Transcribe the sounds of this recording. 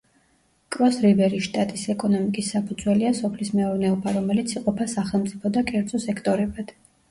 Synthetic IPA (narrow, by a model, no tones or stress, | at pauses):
kʼɾɔsɾibɛɾiʃt̪ʼat̪ʼisɛkʼɔnɔmikʼisːapʰud̪zwɛliasɔpʰlismɛɔɾnɛɔbaɾɔmɛlit̪sʰiqʼɔpʰasaχɛlˠmt̪sʼipʰɔd̪akʼɛɾd̪z̥ɔsɛkʰt̪ʼɔɾɛbad̪̥